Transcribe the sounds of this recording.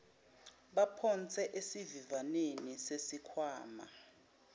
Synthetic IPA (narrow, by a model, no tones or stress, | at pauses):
ɓapʰɔnt͡sʰʼɛʔesivivanenisesikʰwaːma̰